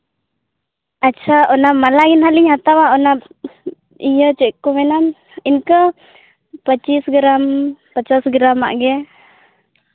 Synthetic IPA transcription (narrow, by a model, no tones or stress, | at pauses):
at͡ʃaɔnamalaɡinɦaliŋat̪awaɔna | ijət͡ʃɛʔkumɛnam | inkə | pət͡ʃisɡəɾampət͡ʃasɡəɾama̰ʔɡɛ